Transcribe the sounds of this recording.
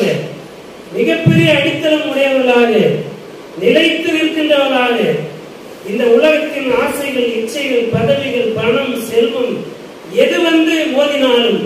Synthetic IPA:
ɐ | mɪɣɐpːɛɾɪjɐːɽɪt̪ːɐlɐmʊɽɐjɐʋɐlaːɣɐ | nɪlɐɪt̪ːɯʋɪnk̪ɪɳɖɐʋɐlaːɣɐ | ɪnd̪ɐʊlɐɣɐt̪ːɪnaːsɐɪɣɐɭɪt͡ʃːɐɪɣɐɭpɐðɐʋɪɣɐɭpɐɳɐmsɛlʋɯm | ɛðɯʋɐnd̪ɯoːðɪnaːlm

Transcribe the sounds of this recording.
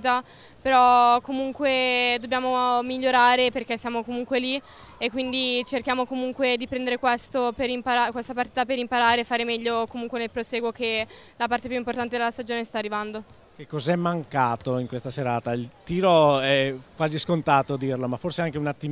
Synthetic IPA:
t̪a | peɾɔkːomuŋkwed̪objaːmomiʎːoɾaːɾeperkesːjaːmokomuŋkweli | ekːwind̪it͡ʃerkjaːmokomuŋkwed̪ipɾɛnd̪eɾekwɛst̪operimpaɾakwest̪apart̪iːt̪apeɾimpaɾaːɾeːfːaːɾemɛʎːokomuŋkwenepɾoseːɡwokelapart̪epjuimport̪ant̪ed̪elast̪ad͡ʒoːnest̪aːrːivand̪o | kekːɔzɛmːaŋkaːt̪oiŋkwest̪aseɾaːt̪ailt̪iːɾoɛkwaːziskont̪aːt̪od̪irlomafːorseaŋk̟eunat̪ːim

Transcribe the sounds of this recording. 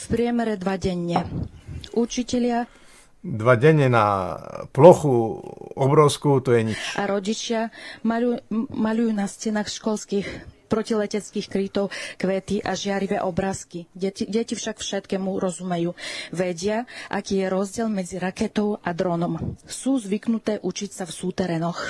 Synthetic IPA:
fpɾɪɛmɛɾɛd̪ʋaɟɛɲːɛ | ʔut͡ʃicɛʎɪa | d̪ʋaɟɛɲːɛna̰plɔxuɔbɾɔʊskuːt̪ɔjɛɲit͡ʃʔaɾɔɟit͡ʃɪamaumaʎujuːnascɛnaːxʃkɔlskixpɾɔcilɛcɛt͡skiːxkɾit̪ɔʊkʋɛːt̪iʔaʒɪaɾiʋɛːʔɔbɾaːskiɛɟɛcifʃakfʃɛt̪kɛːmuɾɔzumɛjuːʋɛɟɪaʔakiːjɛɾɔzɟɪɛlmɛd͡ziɾakɛt̪ɔʊad̪ɾɔnɔmsuːzʋiknut̪ɛːʔut͡ʃicsafsuːt̪ɛɾɛnɔx

